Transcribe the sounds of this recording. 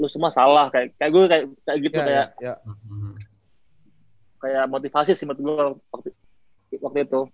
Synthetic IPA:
lʊsumuasalahkajakajaʔɡuɛkajakajaɡit̪ukajaʔ | kajaʔmot̪ifasisimət̪̚ɡuawakt̪u | wak̚t̪uit̪u

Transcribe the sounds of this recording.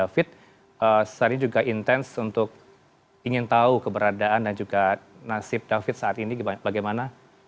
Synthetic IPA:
afɪt̪̚ | əsə̥saɲad͡ʒuɡaʔint̪ɛnsunt̪ʊk̚ | iŋɪnt̪aukəbəɾadaandand͡ʒuɡanasɪp̚dafɪt̪̚saat̪inibaɡajmana

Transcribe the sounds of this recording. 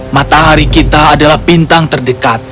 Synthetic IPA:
mat̪aɦaɾikit̪aːdalahbint̪aŋt̪ərdəkat̪̚

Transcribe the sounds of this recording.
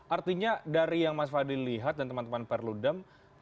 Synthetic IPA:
ʔart̪iɲadaɾijaŋmasfadilliɦat̪̚dant̪əmant̪əmanpɛrludəm

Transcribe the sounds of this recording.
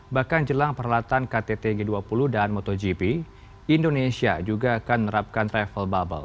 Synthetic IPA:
bahkand͡ʒəlaŋpəɾalat̪ankat̪et̪eɡeduapuluhdanmot̪od͡ʒipi | indonesiad͡ʒuɡaːkanmənəɾap̚kanrɛfəlbabə̰l

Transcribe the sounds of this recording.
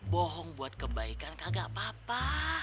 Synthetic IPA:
bɔɦɔŋbuat̪̚kəbaikankaɡaʔpapa

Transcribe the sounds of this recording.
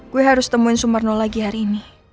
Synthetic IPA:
kuiɦaɾust̪əmuinsumarnolaɡihaɾiːni

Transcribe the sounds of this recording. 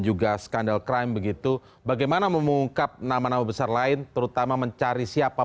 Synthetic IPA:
nd͡ʒuɡasə̥kandalkɾajmbəɡit̪u | baɡajmanaməmuŋkap̚namanamabəsarlaɪnt̪əɾut̪amaməɲt͡ʃaɾisiapa

